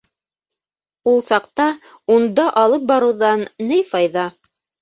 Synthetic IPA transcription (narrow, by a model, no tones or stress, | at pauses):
ulˠsɑqt̪ɑ | und̪ɑʔɑlˠɤp̚bɑɾɤ̆wðɑnːɘjfɑjðɑ